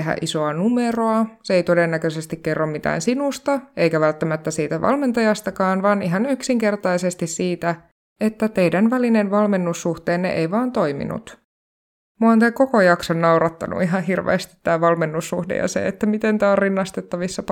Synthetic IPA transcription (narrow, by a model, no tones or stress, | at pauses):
eɦæ̰ʔiso̞ɑnumeroɑseejt̪o̞denːækøsest̪ikkːerːommit̪æ̰ːnsinust̪ɑe̞jkæʋælt̪ːæmæt̪ːæsiːt̪æʋɑ̰lme̞nt̪ɑjɑst̪ɑkɑːnʋɑːniɦɑnyksiŋke̞rt̪ɑjsest̪issiːt̪æ | et̪ːæt̪e̞jdænʋælinenʋɑlme̞nːusːuht̪eːnːḛʔejʋɑːnt̪ojmḭnṵt̪ | muont̪æko̞kojɑksonːɑuɾɑt̪ːɑ̰nṵʔiɦɑɦirʋḛːst̪i̥t̪ːæːʋɑlme̞nːusːuhdḛjɑ̰sḛet̪ːæmit̪ent̪æːorinːɑst̪et̪ːɑʋisːɑ